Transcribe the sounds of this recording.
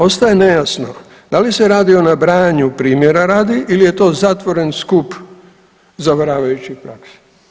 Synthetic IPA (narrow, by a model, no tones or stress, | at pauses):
o̞st̪ajene̞jasno̞ | d̪̥alise̞ɾaːd̪io̞nabɾaːɲupɾiːmje̞ɾaɾaːd̪iʔilije̞t̪o̞ːzat̪ʋo̞ɾe̞nskup | zaʋɾaːʋajut͡ɕixpɾakse̥